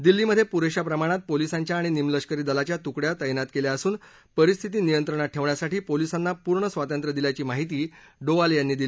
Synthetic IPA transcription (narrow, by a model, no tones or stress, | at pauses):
d̪ilːiːməd̪ʱːjepuɾeɕapɾəmaɽ̃at̪̚polisaɲt͡ɕjaːɽ̃inimləɕkəɾiːd̪əlat͡ɕjat̪ukɽjat̪əjnat̪keljaəsuːn | pəɾist̪ʰit̪iːnijənt̪ɾəɳ̃at̚ʈʰeʋɳjasaʈiːpolisanːapuɾɳəsʋat̪ənt̪ɾəd̪iljat͡ɕiːmaɦit̪iː | ɖoʋaljanːiːd̪ilː